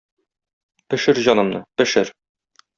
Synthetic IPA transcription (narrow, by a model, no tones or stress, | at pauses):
pɘ̆ʃɘɾʑɒnɤ̆mnɤpɘ̆ʃɘɾ